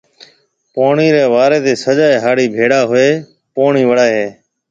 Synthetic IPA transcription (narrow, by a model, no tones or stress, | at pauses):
poːɳiːɾeːʋaːɾeːt̪eːsəd͡ʒaːeːɦaːɽiːbʱeːɽaːɦʊeː | poːɳiːʋəɽaːeɦeː